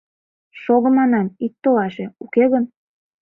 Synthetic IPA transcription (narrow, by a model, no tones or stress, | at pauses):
ʃoɣə̆mɑnɑmit̪t̪ːolɑʃeukeɣən